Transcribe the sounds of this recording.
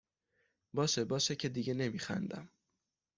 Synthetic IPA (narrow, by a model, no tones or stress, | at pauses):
bɒːʃebɒːʃecʰe̞d̪iɟe̞ne̞miːxæ̰nd̪æ̰m